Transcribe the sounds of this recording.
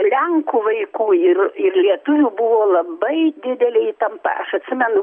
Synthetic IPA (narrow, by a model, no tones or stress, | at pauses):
lʲɛŋkuːʋɐɪkuːɪrɪrlʲiɛt̪ʊʋʲubʊʋoːlˠɐbɐɪd̪ʲɪd̪ʲɛlʲɛiːt̪ɐmpɐ̰ɐʃɐt̪ʲsʲɪmʲɛnʊ